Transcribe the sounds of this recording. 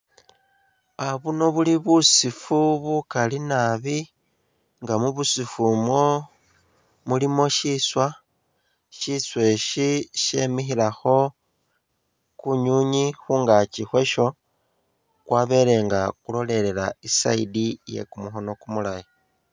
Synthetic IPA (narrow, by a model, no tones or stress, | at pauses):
aβuno̞βuliβusifuβukalinaβi | ŋɡamuβusifumo | mulimo̞ʃiswa | ʃiswe̞ʃiʃe̞mixilaxo̞ | kuɲuɲixuːŋɡat͡ʃixwe̞ʃo̞ | kwaːβe̞le̞ːŋɡakulo̞le̞le̞laisa̰idije̞̰kumuxo̞no̞kumulaji